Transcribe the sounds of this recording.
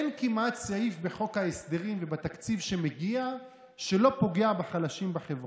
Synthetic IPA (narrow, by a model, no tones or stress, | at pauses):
enkimat̪saifbe̞χo̞khaesd̪e̞ʁimvebat̪akt͡sivʃe̞meɡia | ʃe̞lo̞po̞ɡeabaχalaʃimbaχevʁ